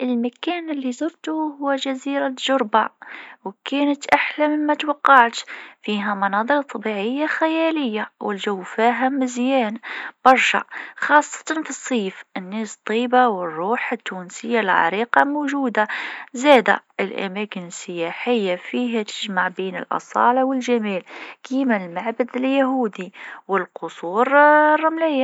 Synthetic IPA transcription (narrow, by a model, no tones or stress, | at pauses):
ʔəlmækæːnəlːizˤɑɾˤt̪uhʊwːæʒæziːɾaʒʊɾbawkæːnət̪ʔaħlaməmːæt̪wɑqːɑʕt̪fiːɦæmɑnɑːd̪ˤɨɾt̪ˤːɑbiʕəjːaxæjæləjːawɪlʒawfiːɦæmɪzjæːnb̥ɑɾˤʃa̰xɑːsˤːɑ̥t̪ˤɑnfisˤːiːfʔənːæːst̪ˤːiːbawərˤːuːħət̪ːunsəjːalʕɑ̰ɾiqɑmoʒuːd̪azæd̪a̰ʔəlʔæ̰mækənəsːəjaħəjːafiːɦæt̪ə̥ʒmaʕbiːnə̰lʔɑ̰sˤɑ̰ːlɑwəlʒæmælkimælmaʕbəd̪ljaɦuːd̪iwəlqʊsˤuːɾrˤːɑmlɪjːa